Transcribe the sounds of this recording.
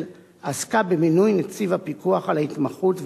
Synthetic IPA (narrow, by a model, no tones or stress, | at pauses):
l | askabeminujnet͡sivapikuaχalaitmaχutv